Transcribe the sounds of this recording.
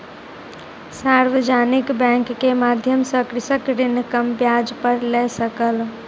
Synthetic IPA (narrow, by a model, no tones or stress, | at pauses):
saɾʋəd͡ʒanikbɛ̃ŋkːemad̪ʱjəmsəkɾisəkɾinkəmbjad͡ʒpəɾlɛsəkəl